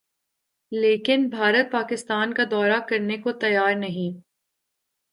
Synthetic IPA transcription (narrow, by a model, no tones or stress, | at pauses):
leːkɪnbʱaːɾət̪̚paːkɪst̪aːnkad̪ɔːɾakɐɾnekot̪ɐjaːɾnɐɦĩː